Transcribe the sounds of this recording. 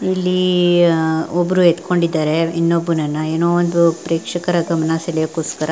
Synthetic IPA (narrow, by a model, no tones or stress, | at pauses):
ilːi | ɔbɾuet̪ko̞ɳɖid̪ːaːɾe̞inːobːunɐnːɐeːnoːond̪upɾeːkʂɐkɐɾɐɡɐmɐnasɐljɐkoːskɐɾa